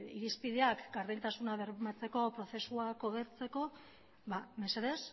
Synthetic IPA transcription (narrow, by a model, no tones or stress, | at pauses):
iɾispiðe̞akɡaɾðint̪asunaβe̞ɾβmat͡se̞ko̞pɾo̞θe̞suako̞ɣe̞ɾt͡se̞ko̞ | βame̞seðes